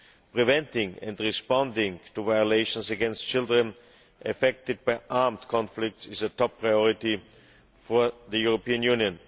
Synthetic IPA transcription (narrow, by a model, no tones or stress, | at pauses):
pɹivɛ̃ntɪ̃ŋɛ̰̃ndɹɪspɔ̃ndɪ̃ŋtuvaɪəleɪʃə̃nsɨɡɛ̃nst̚t͡ʃɪlˠdɹə̃n | ʔɨfɛk̚tɨd̚baɪʔaɹmdkʰɔ̃nflɪk̚tsɪzətʰɔpʰːɹaɪɔɹɪti | fɔɹðəjuɹopiə̃njũnjə̃n